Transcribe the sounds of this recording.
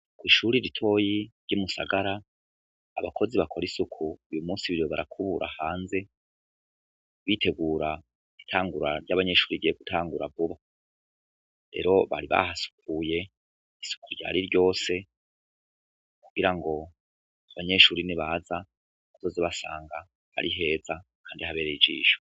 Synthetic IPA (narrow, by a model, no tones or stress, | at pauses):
kwiːʃuɾiɾitʰo̞ːjiɾɟumusa̰ɡaɾaː | βakʰo̞ziβakʰo̞ɾisukʰuujumuːsiβiɾjoβaɾakʰuβuɾʔa̰haːnze̞ | βitʰe̞ɡuːɾa | itʰaːŋɡuɾa̰ɾjaβaɲe̞ʃuːɾiɡijeɡutʰaːŋɡuɾavuβa | ɾe̞̰ːɾo̞βa̰ɾiβa̰ɦasu̥kʰuje̞ | isu̥kuɾɟa̰ːɾiɾɟo̞ːse̞ | kuɡ̥iɾaŋɡo̞ | aβaɲe̞ʃuːɾiniβaza | kuzo̞ziβasa̰ːŋɡa | ha̰ɾiɦe̞ːzakʰaːndihaβe̞ːɾejid͡ʒḭːʃo̥